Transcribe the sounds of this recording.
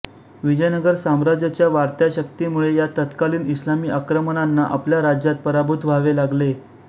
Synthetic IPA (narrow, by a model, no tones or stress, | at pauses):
ʋid͡ʑəjnəɡəɾsamɾad͡ʑat͡ɕjaʋaɾt̪jaɕək̚t̪imuɭejat̪ət̪kaliːnislamiːʔakɾəmənanːaʔapljaɾad͡ʑjat̪̚pəɾabʱut̪ʰʋʱaʋelaɡle